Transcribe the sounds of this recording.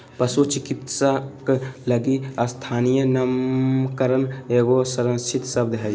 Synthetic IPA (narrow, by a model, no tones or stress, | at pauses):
pəsut͡ʃikit̪sakləɡiəst̪ʰaːnijənəmkəɾəneːɡosəɾə̃t͡ʃʰit̪səbd̪eɦəj